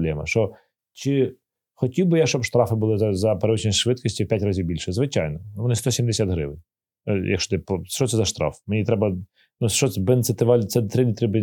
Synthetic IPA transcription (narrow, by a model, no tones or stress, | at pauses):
blʲɛmɐ̰ʃt͡ʃɔ | t͡ʃɪ | xɔtʲiwbɪjaʃt͡ʃɔbʃt̪ɾɑfɪbʊlˠɪzɐzɐpeɾeʋɪt͡ʃnʲisʲʃʋɪt̪̚kisʲtʲipʲjatʲrazʲiwbʲilʲʃɛzʋɪt͡ʃɑ̰jnɔnuʋɔnɪst̪ɔsʲimd̪esʲat̪ɦɾɪ̰ʋɪn | jɐkʃɔd̪ɪpɔʃt͡ʃɔt̪ɛzɐʃt̪ɾɑ̰fmenʲit̪ɾɛbɐ | nut͡ʃɔsɛbɛnt̪sɛt̪ɪʋɑlʲt̪ɛt̪ɾɪlʲit̪ɾɪbɪ